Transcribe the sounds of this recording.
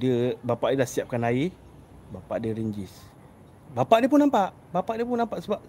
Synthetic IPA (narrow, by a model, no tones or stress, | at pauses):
dəbapaʔdədahsiap̚kanai | bapa̰ʔdəɾiɲd͡ʒis | bapaʔdiəp̬unampaʔ | bapaʔdiəpunampaʔsəbap̚